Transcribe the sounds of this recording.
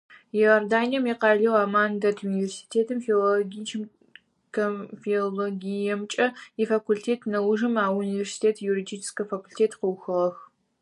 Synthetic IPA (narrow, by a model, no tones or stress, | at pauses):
jeordaːnijɐmiqɑːɮɐwaːmaːndɐtʰunivʲersi̥tʰeːtʰɨmfeloɡʲit͡ʃʰɪm | kʰɐfioloɡʲijɛmt͡ʃʼɐifakʷʰultʰeːtʰnɐwʊʒɨmaːunivʲersi̥tʰeːtʰjuridit͡ʃʰɪ̥skɐfakʰulʲtʰeːtʰqəwxɨʁɐx